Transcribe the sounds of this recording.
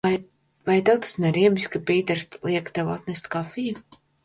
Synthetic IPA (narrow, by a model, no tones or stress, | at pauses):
aj | vajt̪awt̪ḁsnɛɾiɛbisʲkapiːt̪ɛɾlˠiɛkt̪ɛwa̰t̪nɛst̪kafiju